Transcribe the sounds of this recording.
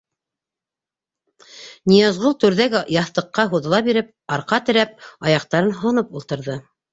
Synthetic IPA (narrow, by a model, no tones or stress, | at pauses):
nʲijɑzʁulˠt̪ɵ̆ɾðæɡjɑθt̪ɤ̆qːɑɦuðɤ̆lˠɑbiɾɘp̚ɑɾqɑt̪ɘ̆ɾæp̚ɑjɑqt̪ɑɾɤnɦɑnɤpulˠt̪ɤ̆ɾðɤ